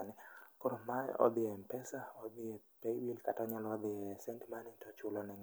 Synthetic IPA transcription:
nɛkoɾomaɔ̰d̪ɪɛmpɛsaɔd̪ɪɛpeiwilkatɔɲɔlɔːd̪ɪɛsɛntmanintɔt͡ʃulɔnɛŋ

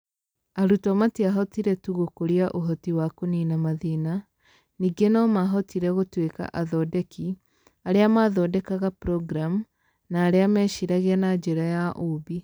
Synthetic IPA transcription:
aɾutɔmatiaɦɔtiɾɛtuɣokoɾiaʔoɦɔtiwakoninamaðina | niːɡenɔmaɦɔtiɾɛɣotweka̰ʔaðɔdɛki | aɾeamaðɔdɛkaɣapɾɔɡɾam | naːɾeamɛʃiɾaɣeanad͡ʒeɾajaʔubi

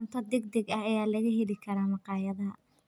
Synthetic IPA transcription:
nt̪ʰɐd̪ɛɡ̚d̪ɛɡɐhɐjaːlɐɣɐɦɛlɪkʰɐɾaːmɑqɑːjɐðɐɦɐ̰

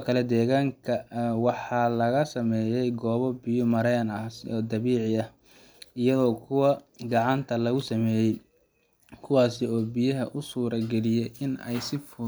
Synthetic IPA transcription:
kʰɐlɛd̪ɛːɣaːŋkʰɐwɑħɑːlɐɣɐsɐmɛːjɛjɡɔːβɔbɪjʊmɐɾɛːnɐsɔːd̪ɐβiːʕɪɐh | ɪjɐðɔːkʰʊwɐɡɑʕɑnt̪ʰɐlɐɣʊsɐmɛːjɛj | kʰʊwɑːsɪɔːbijɐɦɐʔʊsuːɾɐɡɛlɪjɛjʔɪnɛ̰jsɪfʊ

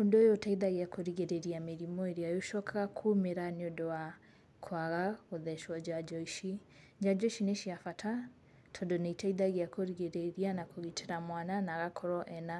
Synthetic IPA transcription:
ondojotaiðaɣeakoɾiɣeɾeɾiameɾimɔeɾiajoʃɔkʰakʰumeɾaneodɔa | kʰwaɣaoðɛʃwad͡ʒad͡ʒɔiʃi | d͡ʒad͡ʒɔiʃineʃiafatʰa | tʰɔdɔnaitʰaiðaɣeakoɾiɣeɾeɾianakoɣitʰeɾamwananaɣakʰɔɾɔʔɛna

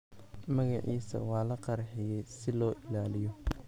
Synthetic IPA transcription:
mɐɣɑʕiːsɐ̰wɑːlɐqɑɾħɪjɛjsɪlɔːʔɪlaːlɪjɔ

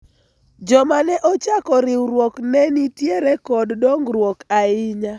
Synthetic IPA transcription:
d͡ʒɔmanɛʔɔt͡ʃakɔɾɪwɾwoknɛnitjeɾɛkɔddɔŋɡɾwokaɪɲa

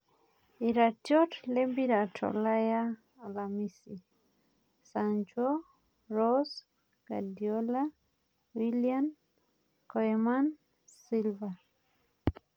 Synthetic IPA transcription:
iɾatjɔtlembiɾatʰɔ̰lajaː | lamisi | sand͡ʒɔ | ɾɔs | ɡ̥adiɔla | wilian | kɔɛman | silva

